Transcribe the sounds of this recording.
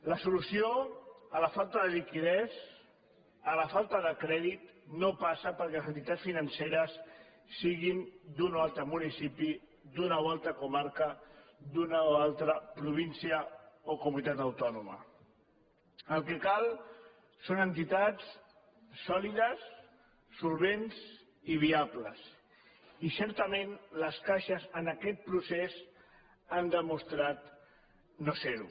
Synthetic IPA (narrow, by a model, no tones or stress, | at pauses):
ləsulusioələfalˠt̪əðəlikiðɛz | ələfalˠt̪əðəkɾɛðit̪nopasəpəɾkɛləzənt̪it̪at͡sfinənseɾəsː | iɣind̪unoalˠt̪ɾəmunisipi | d̪unaoalˠt̪əkumaɾkəd̪unaoalˠt̪ɾəpɾuβinsiəokumuit̪at̪əwt̪ɔnumə̰ | əlˠkekalˠ | sonənt̪it̪at͡sː | ɔliðəsː | ulˠβenz | iβ̞iabləs | isɛɾt̪əmẽnləskaʃəzənəkɛt̪̚pɾusez | and̪əmust̪ɾat̪ | noseɾṵ